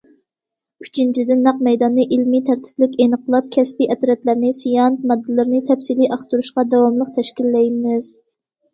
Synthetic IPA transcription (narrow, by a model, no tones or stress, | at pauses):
y̥t͡ʃʰint͡ʃʰid̪ɪnːɑq̚mɛjd̪ɑnːɨʔilmit̪ʰæɾt̪ʰɪ̥plɪkʲenəqʰəlˠɑp̚kʲʰɛspiʔɛt̪ɾɛt̪læɾnɪsijɑnt̪̚mɑd̪ːɨlˠɨɾnɪt̪ʰɛpsiliʔɑχt̪uɾuʃqɑd̪ɛwɑmlˠəq̚t̪ʰɛʃkʲilːɛjmɪz̥